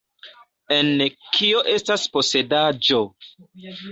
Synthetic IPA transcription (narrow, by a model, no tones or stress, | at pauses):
enkʰioʔe̞staspose̞dad͡ʒo